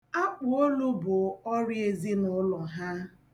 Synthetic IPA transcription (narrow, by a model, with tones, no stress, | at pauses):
a˦k͡pʊ˨o˦lu˦bʊ˨ɔ˦ɾje˨zi˦nʊ˦lɔ˨ɦa˦